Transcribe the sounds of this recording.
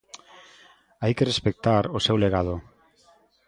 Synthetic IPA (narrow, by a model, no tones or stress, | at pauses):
ajkerespek̚t̪aɾosewleɣ̞að̞o